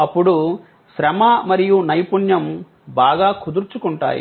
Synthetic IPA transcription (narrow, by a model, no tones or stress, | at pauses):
ɐpːuɽu | ʃɾɐmamɐɾijunɐjpuɳjɐm | baːɡaːkʰud̪uɾt͡ʃukuɳʈa̰ːjḭ